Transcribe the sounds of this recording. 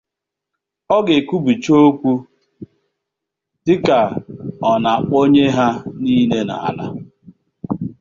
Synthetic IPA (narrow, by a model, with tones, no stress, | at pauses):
ɔ˦ɡe˨ku˦bi˨t͡ʃo˦o˦kʷu˦ | sɪ˦ka˨ɔ˨na˨k͡po˦ɲe˦ɦa˦ni˦ne˦na̰˨a̰˨la̰˦